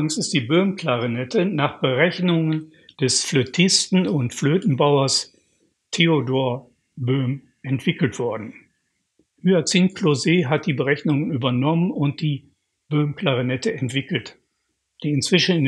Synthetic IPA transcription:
ɪŋsɪst̚d̥iːbøːmkl̥aʁinɛtʰənaːχb̥əʁɛçnʊŋən | d̥ɛsfløtʰɪstn̩ʊntfløːtn̩baʊɐs | tʰeodoːɐ | bøːm | ʔɛntv̥ɪkl̩tv̥ɔɐdn̩ | hyat͡siːnklozeːɦat̚d̥iːbəʁɛçnʊŋənyːbɐnɔmənʊnt̚d̥iː | b̥øːmkl̥aʁinɛtəɛntv̥ɪkl̩t | d̥iːɪnt͡sv̥ɪʃn̩ɪn

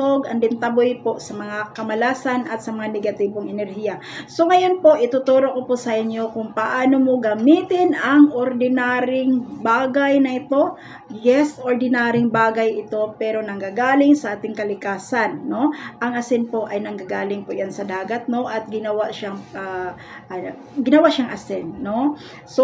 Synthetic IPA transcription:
oɡʔɐnd̪ɪnt̪ɐbojpoʔsɐmɐŋakɐmɐlaːsɐnʔɐt̪sɐmɐŋanɛɡɐt̪iːboŋɛnɛɾhijɐ | so̞ŋɐjo̞npo̞ʔɪt̪ʊt̪oɾo̞koposɐʔɪnjo̞kʊŋpɐʔaːnomo̞ɡɐmiːt̪ɪnɐŋʔoɾd̪ɪnaɾɪŋbaːɡɐjnɐʔɪt̪o̞ | jɛsʔoɾd̪ɪnaːɾɪŋbaːɡɐjɪt̪o̞pɛːɾo̞nɐŋɡaɡaːlɪŋsɐʔaːt̪ɪŋkɐlɪkaːsɐnːo̞ʔɐŋʔɐsɪnpo̞ʔɐjnɐŋɡaɡaːlɪŋpoʔjansɐd̪aːɡɐt̪̚no̞ʔɐt̪̚ɡɪnɐwaʔʃaŋa | ɡɪnɐwaʔʃaŋʔɐsɛnːo̞ | so

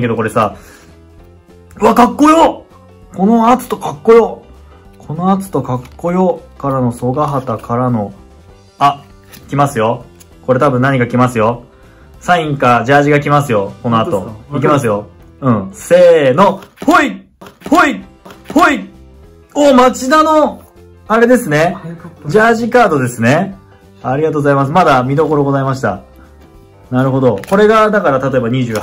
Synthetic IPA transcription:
ẽŋked̪oko̞ɾe̞saː | ɯβakakːo̞jo̞ | ko̞no̞at͡sɨ̥t̪o̞kakːo̞jo̞ | kʰo̞no̞at͡sɨ̥t̪o̞kakːo̞jokaɾano̞so̞ɡaɦat̪akʰaɾano̞ | a | kʲimasɨjo̞ | ko̞ɾe̞t̪abɯ̟̃nːaɲ̟ikakʲimasɨjo̞ | sãĩŋkaʑaːʑiɡak̬ʲimasɨjo̞ko̞no̞att̪o̞ik̬ʲimasɨjo̞ | ɯ̟̃ɴse̞ːno̞pʰo̞i | pʰo̞i | pʰo̞i | oːmat͡ɕid̪ano̞ | aɾe̞d̪e̞sɨne̞d͡ʑaːʑikaːd̪o̞d̪e̞sɨne̞ | aɾʲiɡat̪o̞ːɡozaimas̬ɨmad̪amʲid̪o̞ko̞ɾo̞ɡo̞zaimaɕi̥t̪a̰ | naɾɯ̟ɦo̞d̪o̞ko̞ɾe̞ɡad̪akaɾat̪at̪o̞e̞baɲ̟iʑɨːɡ

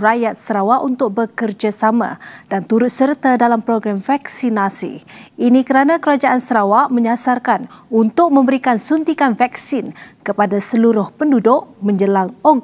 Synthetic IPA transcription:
rajat̪̚səɾawaʔunt̪ʊk̚bəkərd͡ʒasamã̰d̥ant̪uɾʊt̪̚sərt̪adalampɾoɡɾamfaksinasḭinikəɾanãkəɾad͡ʒaʔansəɾawaʔmə̃ɲasarkanunt̪ʊk̚mə̃mbəɾikansunt̪ikanfak̚sinkəpadasəluɾʊhpəndudʊʔmə̃ɲd͡ʒəlaŋɔ

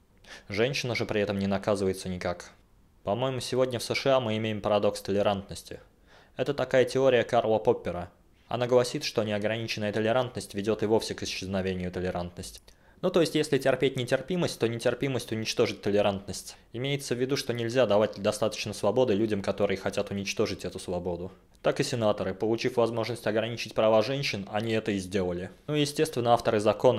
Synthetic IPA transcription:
ʐɛnʲɕɪnəʐɨpɾʲɪɛt̪əmnʲɪnɐkazɨvəjɪt̪sənʲɪkak | pɐmo̞jɪmʊsʲɪvo̞dʲnʲəfsəʂɨamɨɪmʲejɪmpəɾɐd̪o̞kst̪əlʲɪɾant̪nəsʲtʲɪ̰ | ɛt̪ət̪ɐkajətʲɪo̞ɾʲɪjəkarlˠəpo̞pʲːɪɾə | ɐ̰naɡlˠɐsʲit̪ʂt̪onʲɪɐɡɾɐnʲit͡ɕɪnːəjət̪əlʲɪɾant̪nəsʲtʲvʲɪdʲo̞t̪ɨvo̞fsʲɪkɪɕːɪznɐvʲenʲɪjʊt̪əlʲɪɾant̪nəsʲtʲ | nut̪o̞jɪsʲtʲjesʲlʲɪtʲɪrpʲet̚ʲnʲɪtʲɪrpʲiməsʲtʲt̪onʲɪtʲɪrpʲiməsʲtʲʊnʲɪt͡ɕt̪o̞ʐɨtʲt̪əlʲɪɾant̪nəsʲtʲɪmʲejɪt̪səvʲːɪd̪uʂt̪o̞nʲɪlʲzʲad̪ɐvatʲd̪ɐst̪at̪ə̥t͡ɕnəsvɐbo̞d̪ɨlʲʉdʲəmkɐt̪o̞ɾɨjəxɐtʲat̪ʊnʲɪt͡ɕt̪o̞ʐɨtʲɛt̪ʊsvɐbo̞d̪ʊ | t̪akɨsʲɪnat̪əɾɨpəlˠʊt͡ɕifvɐzmo̞ʐnəsʲtʲɐɡɾɐnʲit͡ɕɪtʲpɾɐvaʐɛnʲɕɪnɐnʲiɛt̪əɪzʲdʲe̞lˠəlʲɪnujɪsʲtʲe̞st̪vʲɪnːəaft̪əɾɨzɐko̞nə

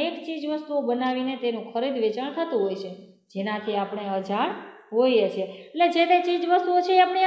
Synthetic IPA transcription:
ekt͡ʃid͡ʒʋəst̪uobənaʋinet̪enũkʰəɾid̪ʋet͡ʃəɳt̪ʰət̪ũɦojt͡ʃʰe | d͡ʒenãt̪ʰiapəɳ̃eəd͡ʒaɳ | ɦojet͡ʃʰeeʈled͡ʒet̪et͡ʃid͡ʒʋəst̪uot͡ʃʰeeapɳe

